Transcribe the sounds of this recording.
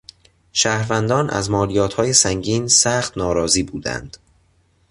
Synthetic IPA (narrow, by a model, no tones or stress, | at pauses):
ʃæːhɾvænd̪ɒːnʔæ̰zmɒːlijɒːt̪ʰhɒːjesæŋɟiːnsæːxt̪nɒːɾɒːziːbuːd̪æ̰nd̪̥